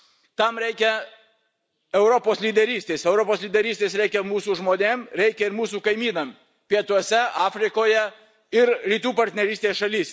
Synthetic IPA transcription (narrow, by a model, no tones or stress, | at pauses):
t̪ɐmɾʲɛɪkʲɛ | ɛʊɾopoːslʲiːd̪ʲɛɾʲiːsʲt̪ʲeːsɛʊɾopoːslʲiːd̪ʲɛɾʲiːsʲt̪ʲeːsɾʲɛɪkʲɛmuːsuːʒmoːnʲeːmɾʲɛɪkʲɛɪɾmuːsuːkɐɪmʲiːnɐm | pʲiɛt̪uɔsʲɛɑːfʲɾʲɪkoːjɛ | ɪɾɾʲiːt̪uːpɐɾʲt̪ʲnʲɛɾʲiːst̪ʲeːsʃɐlʲiːsʲ